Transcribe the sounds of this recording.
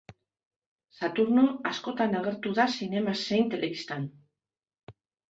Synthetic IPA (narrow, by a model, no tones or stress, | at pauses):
sat̪uɾno̞asko̞t̪anaɣe̞ɾt̪uðasine̞mase̞jnt̪e̞lʔe̞βist̪an